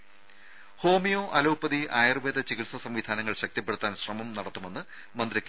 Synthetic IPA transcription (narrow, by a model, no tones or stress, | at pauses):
ho̞ːmijo̞ːʔɐlɐwupːɐðiʔaːjɐrʋeːd̪ɐt͡ɕiɣiʈsɐsɐmʋid̪ʱaːnɐŋːɐɭɕɐk̚t̪ɐpːeɽut̪ːaːnɕrɐmɐmnɐɽɐt̪ːume̞nːɨ | mɐnd̪ɾɐkʲː